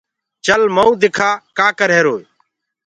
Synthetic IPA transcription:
t͡ʃəlməũːd̪ɪkʰaːkaːkəɾɦeːɾoːi

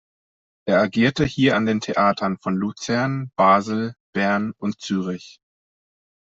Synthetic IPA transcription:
ʔeːɐaɡiːɐtəhiːɐandeːntʰeʔaːtʰɐnfɔnlut͡sɛɐnb̥aːzl̩b̥ɛɐnʔʊntt͡syːʁ̞ɪç

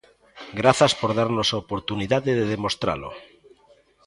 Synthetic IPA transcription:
ɡɾaθaspoɾðaɾnosaopoɾt̪uniðaðeðeðemost̪ɾa̰lo̰

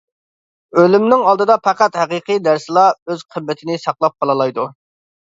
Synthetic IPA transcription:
ølymnɪŋɑlˠd̪ɨd̪ɑpʰæqæt̪hæqiqʰijd̪æɾsɨlˠɑøzqʰəmːɪt̪ʰɪnɪsɑqlˠɑp̚qʰɑlˠɨlˠɑjd̪u

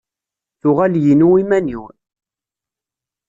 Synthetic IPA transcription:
θʊʁæljinuimæniw

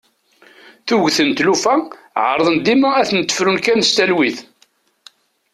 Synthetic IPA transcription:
θuʝθənt̪lufæ | ʕə̰ɾˤðˤənd̪imææθnət̪ːə̥fɾunkænst̪ælwiθ

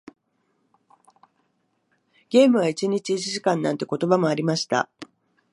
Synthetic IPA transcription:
ɡ̥ʲe̞ːmɯ̟βait͡ɕiɲ̟it͡ɕiːt͡ɕiʑikãnːãnt̪e̞ko̞t̪o̞bamo̞aɾʲimaɕi̥t̪a̰

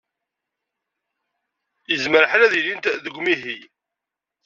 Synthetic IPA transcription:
jəzməɾħɾæðilint̪ðəɡʷmiɦi

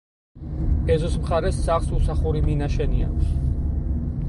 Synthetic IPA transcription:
ɛzɔsmχaɾɛsːaχlsusaχuɾiminaʃɛnia̰kʰʷs

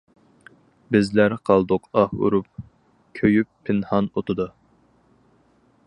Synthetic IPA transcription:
bɪzlæɾqʰɑlˠd̪ʊqʰɑhṵɾup̚ | kʲʰøjypʰːɪnhɑnot̪ʊd̪u

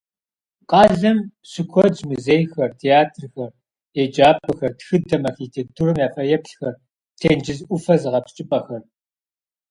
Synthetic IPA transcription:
qʼɑːɮɐm | sɨkʷʰɔzmuzeːjxɐrtʰeaːtʰrxɐr | ed͡ʒaːpʰɨxɐrtxɨdɐmɐxiːtʰeːk̚tʰuːrɨmjaːfɐjɐpɬxɐr | tʰeːnd͡ʒɪzʔʷʊfɐzɨʁɐpt͡ʃʼɪpʼɐxɐr

